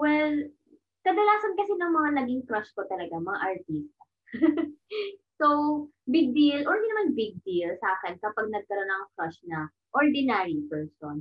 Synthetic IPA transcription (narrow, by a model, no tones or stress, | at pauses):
wɛl | kɐd̪ɐlaːsɐnkɐsɛnɐŋmɐŋanɐɡɪŋkɾɐʃkot̪ɐlɐɡamɐŋa̰ʔɐɹt̪iːst̪̚ɐ | so | bɪɡ̚d̪ilʔoʔɪ̃nd̪inɐmanbɪɡ̚d̪ilsaːkɛnkɐpaɡ̚nɐɡ̚kɐɾo̞nɐŋkɾɐʃnɐ | ʔoɹd̪ɪnaɹipɛɹson